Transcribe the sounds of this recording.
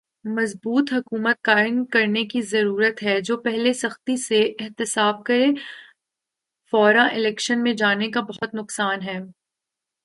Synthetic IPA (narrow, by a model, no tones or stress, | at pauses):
mɐzbuːt̪ɦɐkuːmət̪̚kaːɪnkɐɾnekizɐɾuːɾət̪ɦɛd͡ʒoːpɛɦlesɐxt̪iseʔɪɦt̪ɪsaːb̚kɐɾe | fɔːɾãʔɪlɛːkʃənmẽd͡ʒaːnekabɐɦʊt̪nʊqsaːnɦɛː